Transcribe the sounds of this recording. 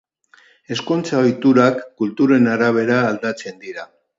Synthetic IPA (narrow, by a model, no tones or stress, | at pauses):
e̞sko̞nt͡saojt̪uɾakːult̪uɾe̞naɾaβ̞e̞ɾaːld̪at͡se̞nd̪iɾa